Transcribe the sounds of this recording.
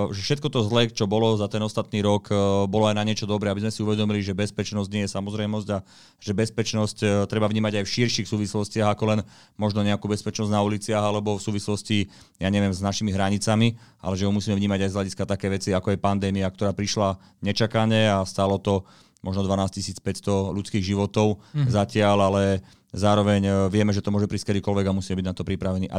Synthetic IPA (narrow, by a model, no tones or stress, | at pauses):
ʒɛfʃɛt̪̚kɔt̪ɔzlɛt͡ʃɔbɔlɔzat̪ɛnɔst̪at̪niːɾɔkbɔlɔajnaɲɪɛt͡ʃɔd̪ɔbɾɛabizmɛsiuʋɛd̪ɔmiliʒɛbɛspɛt͡ʃnɔzɟɲɪɛjɛsamɔzɾɛjmɔzɟa | ʒ̥ɛbɛspɛt͡ʃnɔsct̪ɾɛbavɲiːmaɟajfʃiɾʃixsuːʋislɔscɪaɣakɔlɛn | mɔʒnɔɲɛakuːbɛspɛt͡ʃnɔznaulit͡sɪaɣalɛbɔfsuːʋislɔsci | jaːɲɛʋɪɛmznaʃimiɦɾaɲit͡samiʔa̰lɛʒɛɦumusiːmɛvɲiːmaɟajzɦlaɟiskat̪akɛjʋɛt͡siakɔɛjpand̪ɛːmiak̚t̪ɔɾaːpɾiʃla | ɲɛt͡ʃakaɲɛast̪aːlɔt̪ɔ | mɔʒnɔd̪ʋanaːscisiːt͡spɛcst̪ɔlut͡skiːɣʒiʋɔt̪ɔʊzacɪalalɛ | zaːɾɔʋɛɲʋɪɛmɛʒɛt̪ɔmʊɔʒɛpɾiskɛd̪iːkɔlʋɛɡamusiːmɛbiɟnat̪ɔpɾipɾaʋɛniːʔa̰